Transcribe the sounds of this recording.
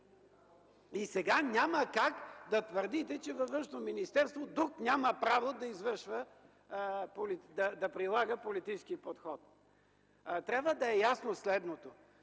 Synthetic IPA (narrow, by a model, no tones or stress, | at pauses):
isɛɡanʲaməkakd̪ɐt̪vəɾd̪it̪ɛt͡ʃɛvɐvəʃnominist̪ɛɾst̪vod̪uknʲaməpɾavod̪ɐizvəɾʃvə | polid̪ɐd̪ɐpɾilˠaɡəpolit̪it͡ʃskipot̪xɔt̪̚ | t̪ɾʲabvəd̪ɐɛjasnoslɛd̪not̪o